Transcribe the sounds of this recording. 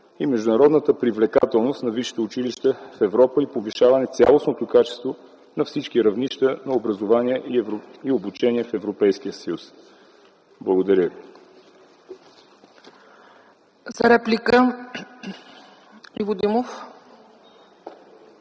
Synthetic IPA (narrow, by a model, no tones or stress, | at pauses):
imɛʒd̪unɐɾɔd̪nət̪əpɾivlɛka̰t̪ɛlˠnost̪nɐviʃi̥t̪ɛut͡ʃiliʃt̪əfɛvɾɔpəipoviʃavɐnɛt̪sʲa̰lˠosnot̪okat͡ʃɛ̥st̪vo | nɐfsit͡ʃkiɾɐvniʃt̪ənɐobɾɐzovaniɛʔiobut͡ʃɛniɛfɛvɾopɛjskiəsəjus | blˠəɡod̪ɐɾʲəvi | zɐɾɛplʲikə | ivod̪imof